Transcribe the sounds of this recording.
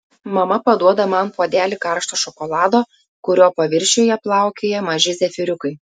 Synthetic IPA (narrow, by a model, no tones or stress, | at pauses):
mɐmɐpɐd̪uɔd̪ɐmɐnpoɔd̪ʲæːlʲɪkɑˑɾʃt̪oːʃɔkɔlˠɑːd̪oː | kʊɾʲoːpɐʋʲɪɾʲʃʲoːjɛplˠɑˑʊkʲeːjɛmɐʒʲɪzʲɛfʲɪɾʲʊkɐɪ